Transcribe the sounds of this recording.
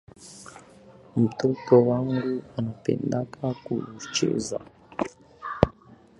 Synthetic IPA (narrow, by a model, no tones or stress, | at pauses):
mutotowaŋɡuanapḛːndakʰakṵut͡ʃḛza̰